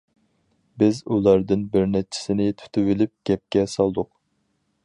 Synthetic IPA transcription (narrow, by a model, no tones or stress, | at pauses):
bɪzulˠɑɾd̪ɨnbɪɾnɛt͡ʃʰi̥sɪnɪt̪ʰy̥t̪ʰyvɪlyp̚ɡ̥ʲɛp̚kʲɛsɑlˠd̪ʊq